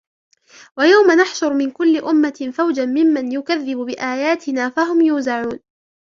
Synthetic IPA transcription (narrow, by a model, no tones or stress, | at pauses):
wajawmanaħʃʊɾmɪnkʊlːɪʔʊmːafawd͡ʒamɪmːanjʊkaðːɪbbɪʔaːjaːt̪ɪnaːfaɦʊmjuːzaʕuːn